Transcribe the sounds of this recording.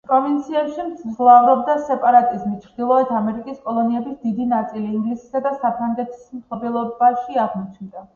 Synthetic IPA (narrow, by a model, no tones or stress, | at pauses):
pʼɾɔvint̪sʰiɛpʃimt̪sʰzlˠavɾɔb̚d̪asɛpʼaɾat̪ʼizmit͡ʃʰɾd̪ilˠɔɛt̪ʰamɛɾikʼiskʼɔlˠɔniɛbisd̪id̪inat̪sʼiliːŋɡlisi̥sad̪asapʰɾaŋɡɛt̪ʰi̥smt̪ɔbɛlˠɔbaʃiaʁmɔt͡ʃʰnd̪a